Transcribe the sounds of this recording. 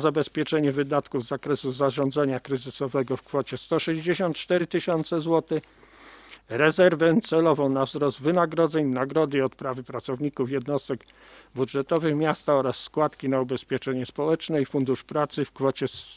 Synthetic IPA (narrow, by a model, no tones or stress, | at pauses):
zabɛspʲjɛt͡ʂɛɲɛvɘd̪at̪kuvzakɾɛsuzaʐɔnd̪zaɲakɾɘzɘsɔvɛɡɔfkfɔt͡ɕɛst̪ɔʂɛʑd͡ʑeɕɔnt̪̚t͡ʂt̪ɛɾɘt̪ɘɕɔnt̪sɛzwɔt̪ɘ | ɾɛzɛɾvɛt̪sɛlɔvɔ̃wnavzɾɔsd̪vɘnaɡɾɔd̪zɛɲnaɡɾɔd̪ɘiɔt̪pɾavɘpɾat̪sɔvɲikufjɛd̪nɔst̪ɛɡ | bud̪ʐɛt̪ɔvɘxmʲjast̪aɔɾasːkwat̪kʲinaubɛspʲjɛt͡ʂɛɲɛspɔwɛt͡ʂnɛifund̪uʂpɾat̪sɘfkfɔt͡ɕɛs